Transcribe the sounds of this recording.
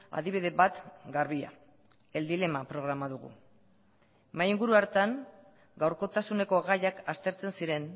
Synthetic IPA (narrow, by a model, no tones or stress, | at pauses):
a̰ðiβ̞iðe̞βat̪ɡaɾβia̰ | e̞ld̪ile̞mapɾo̞ɣ̞ɾamað̞uɣṵ | majiŋɡuɾuaɾt̪aŋ | ɡawɾko̞t̪asune̞ko̞ɣajakast̪e̞ɾt͡se̞nsiɾe̞n